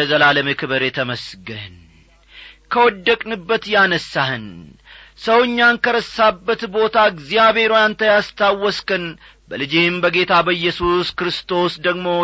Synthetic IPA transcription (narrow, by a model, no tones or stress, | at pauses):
əzəlaləmekʰɨβəɾe̞t̪ʰəməsɡən | kʰəwɔd̪ːəkʼnɨbːət̪janəsːahɨn | səwɨɲːankəɾəsːabːət̪bo̞t̪ʰaɡzijaβe̞ɾojant̪ʰəjast̪ʰawːɔskɨn | bəlɨd͡ʒembəɡe̞t̪ʰabəjːɛsuskɨɾɨst̪ʰo̞sd̪əɡmo̞